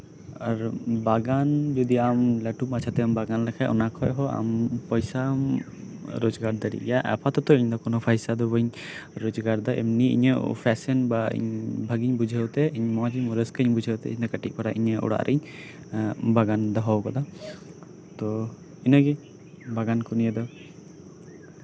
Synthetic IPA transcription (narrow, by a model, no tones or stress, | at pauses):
aɾbaɡand͡ʒɔd̪iamlɛʈumat͡ʃʰat̪ɛambaɡanlɛkʰajʔɔ̰nakʰɔjɦɔa̰mpɔjsa | ɾɔd͡ʒɡaɾd̪aɾḭjaʔɛ̰pʰat̪ɔt̪ɔiɲd̪ɔkɔnɔpʰajsad̪ɔbɔɲɾɔd͡ʒɡaɾd̪aʔḛmniḭɲɔpʰɛsɛnbaḭɲbʱaɡiɲbud͡ʒʱəwt̪ɛiɲmɔad͡ʒimɔɾəskəɲbud͡ʒʱəwt̪ɛ̰iɲd̪ɔkəʈik̚paɾaʔḭɲəʔɔ̰ɽa̰ʔɾʔiɲ | baɡand̪ɔɦɔwkɔd̪a | t̪ɔ | inɔɡi | baɡankunijəd̪ɔ